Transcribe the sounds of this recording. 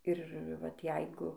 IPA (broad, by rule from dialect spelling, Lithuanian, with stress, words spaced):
ɪr ˈʋɐt ˈjɛɪɡʊ